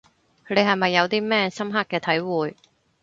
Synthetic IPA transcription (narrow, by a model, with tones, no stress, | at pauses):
kʰɵ˨˧t̪e˨˧jhɐ˨jmɐ˨jːɐ˨˧wt̪iː˥mɛː˥sɐ˥mɦaː˥kːɛː˧t̪ʰɐ˨˥jwuː˨j